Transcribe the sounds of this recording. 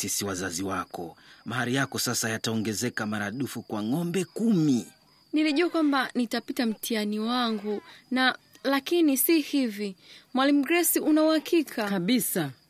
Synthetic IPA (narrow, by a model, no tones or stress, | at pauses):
sisiwazaziwakɔmahaɾijakɔsasajataɔŋɡɛzɛkamaɾaɗufukwaŋɔmbɛkumi | niliʄuakwambanitapitam̩tʰianiwaŋɡuna | lakinisihivimwalim̩ɡɛsiʔunauhakʰikʰakaɓisa